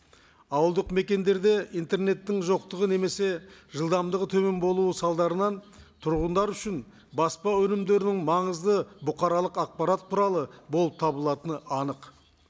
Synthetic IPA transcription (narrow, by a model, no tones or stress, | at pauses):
ɑwəlˠd̪əqme̞kʲe̞nd̪e̞ɾd̪e̞ijnt̪e̞rne̞t̪ːɪŋʒo̞q̚t̪əʁəne̞me̞se̞ʒəlˠd̪ɑmd̪əʁət̪ʰɵme̞nbo̞lˠuəsɑlˠd̪ɑɾənɑn | t̪ʰʊɾʁənd̪ɑɾʏʃɪn | bɑspɑwɵnɪmd̪e̞ɾɪnɪŋmɑɴəzd̪əbʊqɑɾɑlˠəqɑq̚pɑɾat̪q̪ʰʊɾɑlˠəbolˠəp̚t̪ʰɑbəlˠɑt̪ənəɑnəq